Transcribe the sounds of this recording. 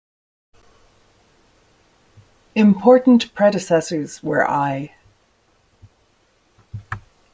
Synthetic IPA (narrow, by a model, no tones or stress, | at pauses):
ɪ̃mpʰɔɹʔn̩ʔpʰɹ̥ɛɾɪsɛsə˞z̥wə̰˞ʔa̰ɪ